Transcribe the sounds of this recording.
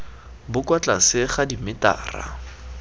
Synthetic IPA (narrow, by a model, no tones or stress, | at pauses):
bʊkwat͡ɬʼasɪχadimɪta̰ːra̰